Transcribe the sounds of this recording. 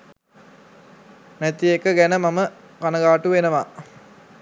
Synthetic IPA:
næt̪ijekəɡænəmamə | kanəɡaːʈuʋenəʋa

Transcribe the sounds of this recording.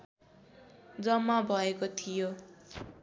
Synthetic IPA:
d͡zʌmːabʱʌekot̪ʰijo

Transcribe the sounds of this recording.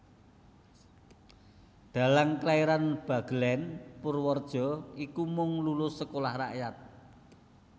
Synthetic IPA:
d̪̥a̤laŋklaiɾanb̥a̤ɡ̥əlɛnpʊrwɔrd̥ʒ̥ɔ̤ikumʊŋlulʊsːəkolahra̰ʔjat̪̚

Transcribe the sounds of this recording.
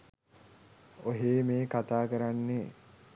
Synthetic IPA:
oɦeːmeːkat̪aːkəɾanːe

